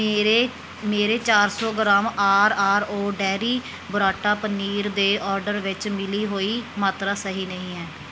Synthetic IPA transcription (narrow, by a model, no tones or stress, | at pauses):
ɾeː | meːɾeːt͡ʃaːɾsɔːɡɾaːmaːɾaːɾoːɖɛːɾiː | bʊɾaːʈaːpəniːɾd̪eːʔɔːɾɖəɾʋɪt͡ʃmɪliːɦoːiːmaːt̪ɾaːsəɦiːnəɦĩːɦɛː